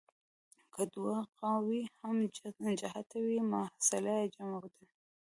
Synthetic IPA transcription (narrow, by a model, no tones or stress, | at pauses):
kʰəd̪waqɑwihamd͡ʒahat̪awimahsalajd͡ʒamawd̪a